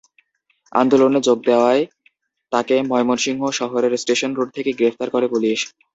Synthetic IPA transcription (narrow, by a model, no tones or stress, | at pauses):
a̰nd̪oloned͡ʑoɡ̚d̪eoae | t̪akemɔjmonʃiŋɦoʃɔɦoɾeɾsʈeʃonɾoɖ̚t̪ʰekeɡɾefʰt̪aɾkoɾebolieʃe̥